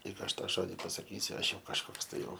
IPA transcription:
ˈlʲiːk ˈɐʃ ˈtɑː ˈʒoːdʲɪ pɐsɐˈkʲiːsʲʊ ˈɐʃ ˈjɛʊ kɐʃˈkoːks ˈtɐɪ ˈjɛʊ

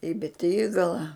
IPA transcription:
iː bʲɛˈtʲiːɡɐlˠɐ

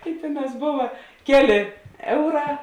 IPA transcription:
ɪ ˈtʲeːˌnɑːs ˈboːʋɐ ˈkʲæːˌlʲeː ˈɛʊˌrɑː

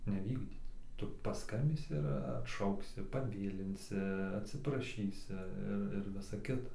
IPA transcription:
nʲɛˈʋʲiːɡdʲiːt ˈtʊ pɐˈskɐmʲbʲiːsʲɪ ɪr ɐtˈʃɐʊksʲɪ pɐˈʋʲeːlʲɪnʲsʲɪ ɐtʲsʲɪprɐˈʃʲiːsʲɪ ˈɪr ɪr ˈʋʲɪsɐ ˈkʲɪtɐ

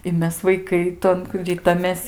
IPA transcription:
ɪ ˈmʲɛs ʋɐɪˈkɐɪ ˈtoːn ˈrʲɪtɐmʲeːs

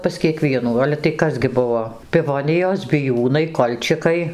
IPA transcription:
pɐs kʲiɛˈkʋʲiɛnuː ˈɑːlʲɛ tɐɪ ˈkɐs ɡʲɪ ˈbʊʋoː pʲɪˈʋoːnʲɪjoːs bʲɪˈjuːnɐɪ ˈkoːlʲt͡ʃʲɪkɐɪ

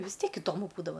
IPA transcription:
ʋʲɪs ˈtʲiɛk ɪˈdoːmʊ ˈbuːdɐʋɐ

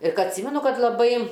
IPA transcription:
ɪr ˈkɐ ɐtʲˈsʲiːmʲɛnʊ ˈkɐt lˠɐˈbɐɪ

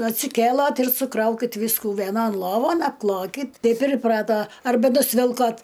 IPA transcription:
ɐtʲsʲɪˈkʲeːlˠɐt ɪr sʊˈkrɐʊkʲɪt ˈʋʲiːskʊ ʋʲiɛˈnoːn ˈlˠoːʋoːn ɐpˈklˠoːkʲɪt ˈtɐɪp ɪr ɪˈprɑːtoː ɐrˈbɐ nʊsʲˈʋʲɪlˠkoːt

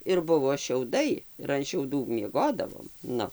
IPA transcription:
ɪr ˈbʊʋoː ʃʲɛʊˈdɐɪ ɪr ɐn ʃʲɛʊˈduː mʲiɛˈɡoːdɐʋoːm ˈnʊ

